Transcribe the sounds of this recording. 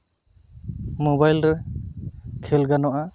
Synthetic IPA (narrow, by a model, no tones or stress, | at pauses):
mobajlɾɛ | kʰɛlɡanɔʔa